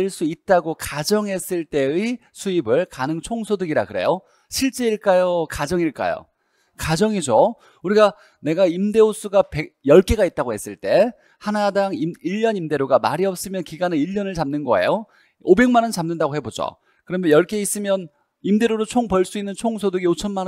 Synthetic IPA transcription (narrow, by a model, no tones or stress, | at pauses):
ɭs͈uit̚t͈aɡokad͡ʑʌŋɦe̞s͈ɯɭt͈e̞isʰuibɯɭkanɯŋt͡ɕʰoŋsʰodɯɡiɾa̰kɯɾe̞̰jo | ɕʰiɭt͡ɕ͈e̞iɭk͈ajokad͡ʑʌŋiɭk͈a̰jo̰ | kad͡ʑʌŋid͡ʑo | uɾiɡa | ne̞ɡaimde̞os͈ʰuɡapejʌɭk͈e̞ɡait̚t͈aɡohe̞s͈ɯɭt͈e̞ | hanadaŋiiʎːʌnimde̞ɾoɡamaɾiʌp̚s͈ɯmjʌnkiɡanɯiʎːʌnɯɭt͡ɕamnɯnɡʌḛjo | obe̞ŋmanʌnt͡ɕamnɯndaɣohe̞bod͡ʑo̰ | kɯɾʌmʌjʌɭk͈e̞is͈ɯmjʌn | imde̞ɾoɾot͡ɕʰoŋpʌɭs͈uinːɯnt͡ɕʰoŋsʰodɯɡiot͡ɕʰʌnmanʌ